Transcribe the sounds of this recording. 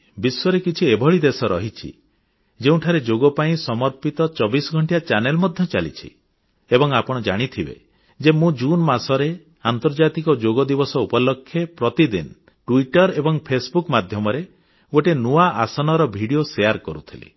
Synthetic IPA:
biswɔɾekit͡ʃʰiebʱɔɭid̪esɔɾɔɦit͡ʃʰḭ | d͡ʒeũʈʰaɾed͡ʒoɡɔpaĩsɔmɔɾpit̪ɔt͡ʃɔbisɔɡʱɔɳʈijat͡ʃanelmɔd̪ʱjɔt͡ʃalḭt͡ʃʰḭ | ebɔŋapɔɽ̃ɔd͡ʒaɽ̃it̪ʰibḛ | d͡ʒemũd͡ʒunmasɔɾe | ant̪ɔɾd͡ʒat̪ikɔd͡ʒoɡɔd̪ibɔsɔupɔlɔkʰːjepɾɔt̪id̪in | ʈuiʈɔɾebɔŋpʰesbukmad̪ʱjɔmɔɾe | ɡoʈenuaʔasɔnɔɾɔbʱiɽijoseaɾkɔɾut̪ʰilḭ

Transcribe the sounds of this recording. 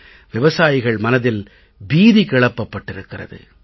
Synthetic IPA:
ʋɪʋɐsaːjɪɣɐɭmɐnɐðɪl | biːðikɛɭɐpːɐpːɐʈːɪɾɯkːɪrɐ̰ðɯ̰

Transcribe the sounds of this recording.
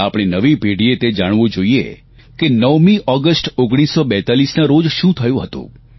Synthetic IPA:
apɽ̃inəʋibʱeɽiet̪ed͡ʒaɽ̃ʋod͡ʒoiḛ | kenəʋmiʔɔɡəsʈoɡɽ̃isːobɛt̪alisnaɾod͡ʒʃũt̪ʰəjũɦət̪ṵ̃

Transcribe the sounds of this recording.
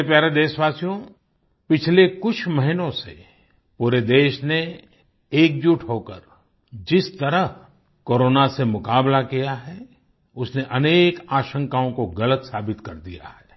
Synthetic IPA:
epjaːɾed̪eːʃʋaːsijõ | pɪt͡ʃʰlekʊt͡ʃʰmɐɦɪnõsḛ | puːɾed̪eːʃne | eːk̚d͡ʒuʈʰɦoːkəɾ | d͡ʒɪst̪ɐɾəɦ | koːɾoːnasemʊkaːblakijaɦɛ | ʊsneʔɐneːkaːʃə̃ŋkaõkoɡɐlət̪saːbɪt̪kɐɾd̪ḭja̰hɛː

